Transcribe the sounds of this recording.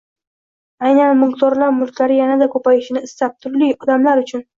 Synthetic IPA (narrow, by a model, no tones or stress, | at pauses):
ajnanmʊlqt̪ɒɾlaɾmʊlˠkʲlaɾɪjanad̪akʰɵpajɪʃɪnɪːst̪ap̚t̪ʰʊɾlijɒd̪amlaɾʊt͡ʃʰʊn